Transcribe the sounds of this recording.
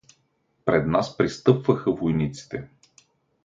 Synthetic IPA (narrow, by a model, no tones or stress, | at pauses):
pɾɛd̪naspɾist̪ɤpvɐxəvojnit̪si̥t̪ɛ